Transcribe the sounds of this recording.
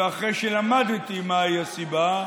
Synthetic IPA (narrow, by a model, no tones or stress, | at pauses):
aχʁejʃelamad̪t̪imaiasiba